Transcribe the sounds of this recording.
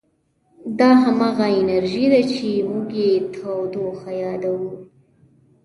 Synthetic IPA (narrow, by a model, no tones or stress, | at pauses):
d̪ɑɦamɑɣaɪnaɾʒid̪at͡ʃemʊɡjet̪ʰawd̪oxajɑd̪awu